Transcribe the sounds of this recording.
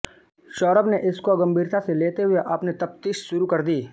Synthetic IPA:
ʃɔːɾəbneʔɪskoɡɐ̃mbʱiːɾt̪ʰaseleːt̪eɦʊeʔɐpnet̪ɐp̚t̪iːʃʃʊɾukɐɾd̪iː

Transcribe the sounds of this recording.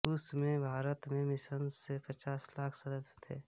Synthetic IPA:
ʊsmẽbʱaːɾət̪mẽmɪsənsepɐt͡ʃaːslaːkʰsɐɾəd͡ʒt̪ʰḛː

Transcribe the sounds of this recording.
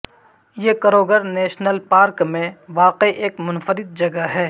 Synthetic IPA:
jeːkɐɾoːɡəɾnɛːʃnəlpaːɾkmẽʋaːqiʔeːkmʊnfəɾɪd̪̚d͡ʒɐɡaɦɛː

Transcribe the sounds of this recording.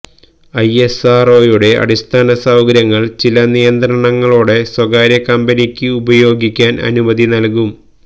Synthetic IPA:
ɐje̞saːro̞ːjuɽe̞ʔɐ̰ɽist̪ʰaːnɐsawɡɐɾjɐŋːɐɭt͡ɕilɐnijɐnd̪ɾɐɳɐŋːɐɭuːɽe̞swɐɡaːɾjɐkɐmbɐnikʲːɨubɐjo̞ːɡikʲːaːnʔɐ̰numɐðinɐlkum

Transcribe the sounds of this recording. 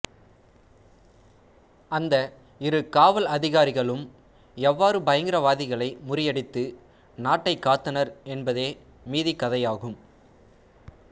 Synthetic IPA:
ɐnd̪ɐ | ɪɾɯkaːʋɐlɐðɪɣaːɾɪɣɐɭɯm | ɛʋːaːɾɯbɐjɐŋɡɪɾɐʋaːðɪɣɐɭɐɪmʊɾɪjɐɽɪt̪ːɯ | naːʈːɐɪkːaːt̪ːɐnɐɾɛnbɐðeː | miːðikːɐðɐjaːɣɯm

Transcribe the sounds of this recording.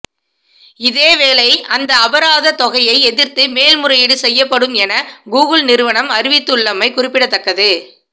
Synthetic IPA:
ɪðeːʋeːlɐɪɐnd̪ɐɐbɐɾaːðɐt̪ɔɣɐjɐɪɛðɪɾt̪ɯmeːlmʊɾɐjɪɽɯsɛjːɐpːɐɽɯmɛnɐɡuːɣɯlnɪɾɯʋɐɳɐmɐɾɪʋɪt̪ːɯɭːɐmɐɪkʊrɪpːɪɽɐt̪ːɐkːɐðɯ

